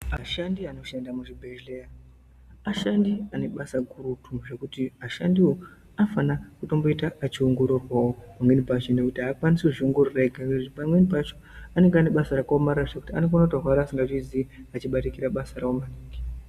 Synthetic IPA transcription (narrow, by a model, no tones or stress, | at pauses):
aʃandiano̞ʃendamuʐibʱeʒleja | aʃandiane̞ɓasaɡʱuɾutʰuʐe̞kutiaʃandiwo̞ | afanakuto̞mbo̞itaat͡ʃioŋɡo̞ɾorwawopamwe̞nibʱat͡ʃone̞kutiaːkwaniseʐioŋɡo̞roreɡʱaneutipamwenibʱat͡ʃoane̞ŋɡeaneɓasaɾakaomaɾaʐekutianeɡonatarwaɾaːsiŋɡaʐiziat͡ʃiɓatikiɾaɓasaɾaomaniːɡi